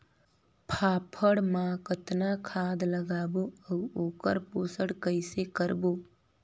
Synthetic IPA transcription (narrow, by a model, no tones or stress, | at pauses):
pʰaːpʰəɽmãːkət̪nakʰaːd̪ləɡaːboəʊoːkəɾpoːsəɽkəɪsekəɾboː